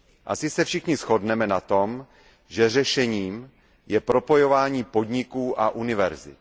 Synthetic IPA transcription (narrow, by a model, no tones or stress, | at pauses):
ʔasɪsɛfʃɪxɲɪsxo̞dnɛmɛnat̪o̞m | ʒɛr̝ɛʃɛɲiːm | jɛpɾo̞po̞jo̞vaːɲiːpo̞d̪ɲɪkuːʔaʔunɪvɛɾzɪ̰t̪